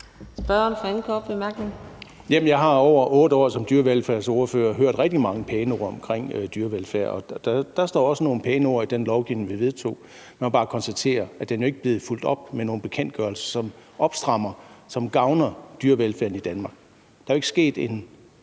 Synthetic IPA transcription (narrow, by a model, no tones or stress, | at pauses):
sb̥ɶɐnfɒenkʰɒːb̥b̥emæɐɡ̥neŋ | jæmnjɑɪɦɑ̈ɒʊ̰ɐʔɔ̽ːd̥əɒ̰ːsɒ̽md̥yːɐʋelfæɐsoːɐfø̰ːɐɦøɐ̰d̥ʁɛɡ̥̚d̥imɑ̈ŋəpʰeːnəo̝ːɐɒ̽mkʰʁeŋ̰d̥yːɐʋelfæɐ̰ɒ̽d̥æd̥æ̈sd̥ɒ̰ːɒ̽səno̝ːn̩pʰeːnəo̝ːɐid̥enlɒʊɡ̥iʊneŋʋiʋe̝ðˠt͡sʰo̝̰ː | mæmɒb̥ɑ̈ːkʰɒnsd̥æt͡sʰe̝̰ːɐæd̥enjo̝e̝ɡ̥əb̥le̝ːð̩ˠful̰d̥ɒ̽b̥̚meno̝ːn̩b̥e̝kʰen̰d̥̚ɡ̥ɶɐlsɐ̥sɒ̽mɒ̽b̥sd̥ʁɑ̈m̰ɐsɒ̽mɡ̥ɑ̈ʊnɐd̥yːɐʋelfæːɐn̩id̥ænmɑ̈ɡ̥ | d̥ɑ̈æoe̝ɡ̥əsɡ̥e̝̰ːd̥e̝n